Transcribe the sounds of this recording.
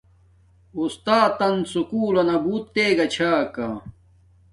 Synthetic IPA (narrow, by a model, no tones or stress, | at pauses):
ust̪aːt̪ɐnsukuːlɐnɐbuːt̪ːeːɡɐt͡ɕʰaːka